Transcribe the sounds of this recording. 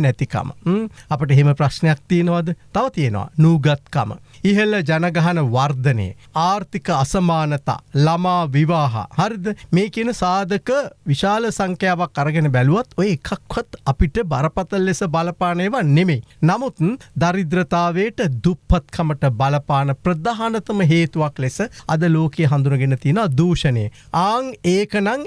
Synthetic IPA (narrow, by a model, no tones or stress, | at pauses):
nɛt̪ika̰mə̰apəʈ̬əeɦeməprasnejak̚t̪ienəʋad̪ət̪aʋɐt̪ijenə̰ʋa̰nuːɡat̪̚ka̰mə̰iɦəlɐd͡ʒanɐɡaɦɐnəʋard̪ɐnḛjə̰ | aːɾt̪ikəasɐmaːnət̪a̰ːlamaːʋiʋaːɦa̰haɾid̪əmeːkiənəsaːd̪əkəʋiʃaːləsaŋkjaːʋakːaɾəɡenebɛluʋat̪ojeːkʰakʋɐt̪ɐpiʈəbɐɾɐpɐt̪ɐlːesəbalɐpaːnəjəʋanemenamut̪d̪aɾid̪ɾɐt̪aːʋejʈəd̪upʰːɐt̪kʰɐməʈəbɐlɐpaːnəpɾɐd̪aːɦanɐt̪ɐməɦeːt̪uʋaklesəɐ̰d̪əloːkejəɦand̪unɐɡenɐt̪inad̪uːʃɐnḛjə | aːŋeːkənaŋ